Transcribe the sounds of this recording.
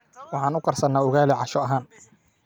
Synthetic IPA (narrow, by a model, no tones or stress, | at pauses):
wɑħɑːnʊqɑrsɐnaːʊɣaːlɪʕɑʃɔɐɦaːn